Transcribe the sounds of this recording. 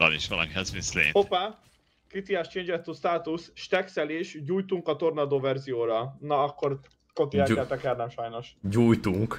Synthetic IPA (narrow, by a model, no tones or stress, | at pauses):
ɒ̰niʃʋɒlɒ̰mɦɛzvinslḛːnopaː | kit̪iast͡ʃeːnd͡ʒɛt̪ːust̪aːt̪usʃt̪ɛksɛleːʃɟuːjt̪uŋkɒt̪o̞rnɒd̪oːvɛrzijoːɾɒnɒːkːo̞r | kot̪iɛlɛlt̪ɛkɛlnɛmʃɒjno̞ʃɟuːjt̪uŋk